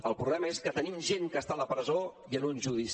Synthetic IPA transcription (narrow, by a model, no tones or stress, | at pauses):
əlˠpɾuβlɛməeskət̪ənimʒeŋkəst̪aləpɾəzoiənunʲʒuðis